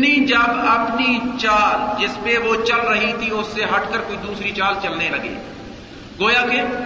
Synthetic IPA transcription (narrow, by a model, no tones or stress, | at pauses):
nid͡ʒɐbɐpnit͡ʃaːld͡ʒɪspeʋot͡ʃəlɾɐɦit̪ʰiʊsːeɦɐʈkəɾkoːid̪uːsɾit͡ʃaːlt͡ʃɐlnelɐɡḛː | ɡoːjakeː